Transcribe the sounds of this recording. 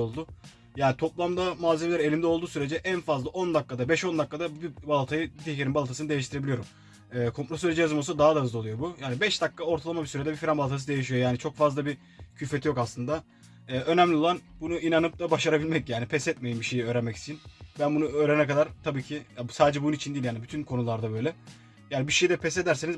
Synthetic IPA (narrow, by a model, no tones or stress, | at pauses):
olˠd̪ʊ | jaːnit̪ʰo̞plˠamd̪amaːzʲemlʲæɾe̞lʲimd̪ɛolˠuːsyɾe̞d͡ʒɛʔænfazlˠaʔo̞nd̪akːad̪abɛʃo̞nd̪akːad̪abbibalˠat̪ʰajɯbit̪ihceɾinbalˠat̪ʰasɯɯd̪e̞jiʃt̪iɾebilijoɾum | ɛːkʰo̞mpɾosyɾed͡ʒɛjazɯmosud̪aɦad̪aɦɯzlˠalˠujobujaːnibɛʃd̪akːao̞ɾt̪ʰalˠamabisyɾed̪ɛbifiɾambalˠat̪ʰas̬ɯd̪e̞jiʃijo̞jaːnit͡ʃʰo̞kfazlˠabi | cʰyfe̞t̪ʰijo̞kaslˠɯnd̪a | ɛːʔønæmlʲio̞lˠanbunuinanɯp̚d̪abaʃaɾabilʲmɛcjaːnipʰɛsɛt̪̚mejimbiʃe̞jiø̞ːɾɛnmɛci̥st͡ʃʰinbænbunuøːɾenɛkad̪aɾt̪ʰabiːcʰijasaːd̪ed͡ʒɛbununit͡ʃʰind̪iːlʲjaːnibyt̪ʰynkʰo̞nulˠaɾd̪abø̞jlʲɛ | jaːnibiʃejid̪ɛpʰɛse̞d̪æɾse̞niz